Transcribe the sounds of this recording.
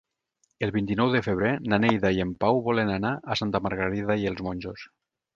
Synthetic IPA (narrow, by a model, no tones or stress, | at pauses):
elˠβint̪inɔwðəfeβ̞ɾenanejðaiempawβɔlenanaʔasant̪amaɾɣaɾiðaielˠzmonʲʒos